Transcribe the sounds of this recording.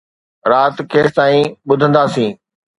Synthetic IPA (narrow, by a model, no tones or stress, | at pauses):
ɾaːt̪kʰeːt̪aːĩɓʊd̪ʱə̃nd̪aːsĩː